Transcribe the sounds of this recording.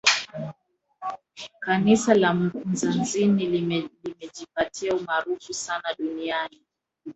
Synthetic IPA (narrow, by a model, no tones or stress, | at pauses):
kanisalam̩kunzanzinilimɛʄipatʰiaumaɾufusanaɗuniani